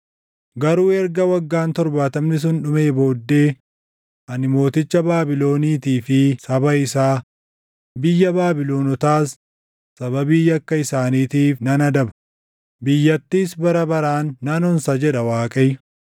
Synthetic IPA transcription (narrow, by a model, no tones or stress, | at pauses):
ɡɐɾuːɛɾɡɐwɐɡːaːnt̪ɔɾbaːt̪ɐmnɪs̬ʊnᶑʊme̞ːbo̞ːd̪ːe̞ː | ʔɐnɪmo̞ːt̪ɪt͡ʃːɐbaːbɪlo̞ːniːt̪iːfɪsɐbɐɪsaː | bɪjːɐbaːbɪlo̞ːnɔt̪aːsː | ɐbɐbiːjɐkːɐɪsaːniːt̪iːfnɐnɐd̪ɐbɐ | bɪjːɐt̪ːiːsbɐɾɐbɐɾaːnːɐnɔnsɐd͡ʒɛᶑɐwaːkʼɐj